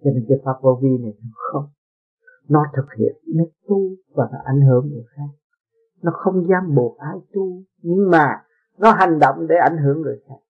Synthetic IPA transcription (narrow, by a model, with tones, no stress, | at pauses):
t͡ɕɔ˧ne˧nkə˨˦faː˧ko˧vi˧na˨˩jnɔ˨˦xə˧wŋ͡m | nɔ˨˦t̪ʰɨ˨˩k̚hḭ˧˨ənːe˨˦t̪u˧vaː˨˩nɔ̰˨˦ʔa̰˧˩jŋɦɨ˨˧˩əŋzɨ˨˩ək̚xaː˦˥k̚ | nɔ˨˦xə˧wŋ͡mzaː˧mɓu˨˩ət̚ʔaː˧jt̪u˧ | ɲɨ˧ŋmaː˨˩ | nɔ˨˦ɦa˨˩jŋ̟ɗo̰˧˨wŋ͡mɗe˧˩˦ʔa˧˩jŋ̟ɦɨ˨˧˩əŋzɨ˨˩jxaː˦˥k̚